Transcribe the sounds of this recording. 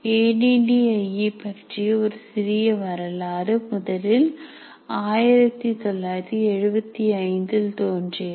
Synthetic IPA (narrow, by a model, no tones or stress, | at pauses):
eːniɖiɐɪipɐʈrijɐɔɾɯsɪɾɪjɐʋɐɾɐlaːɾɯmʊðɐlɪl | aːjɪɾɐt̪ːit̪ɔlːaːjt̪ːiɛɻɯbɐt̪ːiɐɪnd̪ɯlt̪oːndri